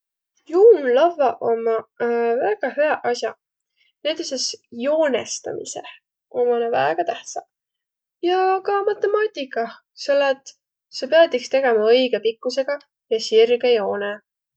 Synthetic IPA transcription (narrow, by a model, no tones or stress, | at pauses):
juːnlɑvɑʔomɑvæːɡ̥ɑheɑʔɑsʲjɑ̰ | ned̪̥isesjo̞ːnḛst̪ɑ̰mḭsḛ | omɑnɑvæːɡ̥ɑt̪æht̪sɑ̰ | jɑkɑmɑt̪ːˑe̞mɑːt̪ʲikːˑɑ | selːet̪ˑ | sepeɑd̪ikst̪e̞ɡ̥e̞mɑɤ̞jɡ̥e̞pikːˑuse̞ɡ̥ɑ | jɑsirɡejo̞ːne